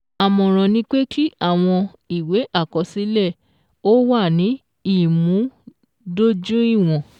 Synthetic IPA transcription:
a˨mɔ̃˨ɾ̃ɔ̃˨nĩ˧˦k͡pe˦kʰi˦a˦˨w̃ɔ̃˧ | i˨we˨˦ʔa˦˨kɔ˨˧si˨˦lɛ˦˨ | o˦wa˦˨nĩ˨˦ | i˦˨mũ˨˦ | do˦d͡ʒũ˦i˦˨w̃ɔ̃˨

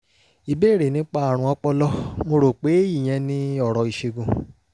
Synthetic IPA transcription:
i˨be˦˨ɾe˨nĩ˨˦k͡pa˦a˨ɾ̃ũ˧˦ɔ˧˦k͡pɔ˦lɔ˦mo˧ɾo˨k͡pe˨˦ji˦˨j̃ɛ̃˨˧˦nĩ˧˦ɔ˦˨ɾɔ˨i˨ʃe˧ɡũ˨

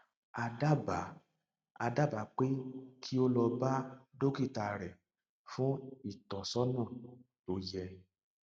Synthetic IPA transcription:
a˧da˦˨ba˨˦ | a˧da˦˨ba˨˦˨k͡pe˦kʰi˦o˦lɔ˧ba˦do˦ki˦˨ta˨ɾɛ˨ | fũ˦i˦˨tɔ˨sɔ˦nã˦˨ | to˧˦jɛ˧

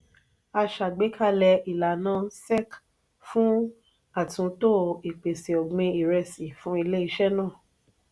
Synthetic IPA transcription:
a˧ʃa˨ɡ͡be˨˦kʰa˦˨lɛ˧i˨la˨nãː˦sɛ˦˨k | fũ˦ | a˦˨tũ˨˦to˦i˨k͡pe˨se˨ɔ˨ɡ͡bẽ˧i˨ɾɛ˧si˨fũ˨˦i˧le˦i˧ʃɛ˦nãː˦˨

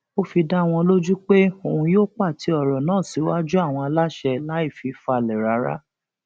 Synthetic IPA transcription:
o˦fi˧da˦w̃ɔ̃˧lo˦d͡ʒu˦k͡pe˦o˦˨ũ˧joː˦k͡pa˦˨ti˨˦ɔ˦˨ɾɔ˨nãː˦˨si˨˦wa˦d͡ʒu˦a˦˨w̃ɔ̃˧a˧la˦ʃɛ˧la˦i˦˨fi˨˧˦fa˧˨lɛ˨ɾa˨˦ɾa̰˦

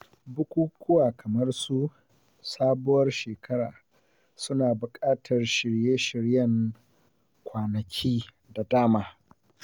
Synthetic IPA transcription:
bʊ˦kʷuː˦kʷʊ˦waː˨kʰɐ˨mɐ˦rsu˦ | saː˦bʊ˦wɐ˦rʃeː˨kʰɐ˦ɽa̰ː˨ | sʊ˦naː˨bʊ˨kʼaː˦tʰɐ˨rʃɪ˨ɽjeː˦ʃɪ˨ɾjɐ˦ŋ | kʷaː˨nɐ˨kʲʰiː˦ | da˨daː˦maː˦

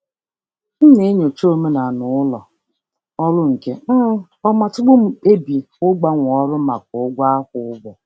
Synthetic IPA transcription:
n̩˦ne˦ɲo˨t͡ʃo˦me˦na˨nʊ˨˦ʊ˦lɔ˨ | ɔ˦lʊ˦ŋ̩˨ke˦ | ɔ˦ma˨tʊ˦ɡ͡bʊ˦m̩˨e˦bi˨ | ʊ˦ɡ͡ba˦ŋʷ˨ɔ˦ɾʊ˦ma˨k̚ʊ˨ʊ˦ɡʷa˦a˦hʊ˨ʊ˦ɡ͡bɔ˨

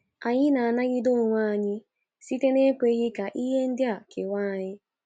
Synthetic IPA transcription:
a˨ɲɪ˦na˨a˨na˦ɣɪ˦do˦˨ŋʷa˦˨a˨ɲɪ˦ | si˦te˦ne˦kʷe˦ɣɪ˦ka˨ʔi˦ɦe˦n̩˦dɪ˦a˨kɪ̰˨wʷa˦˨ɲɪ˦

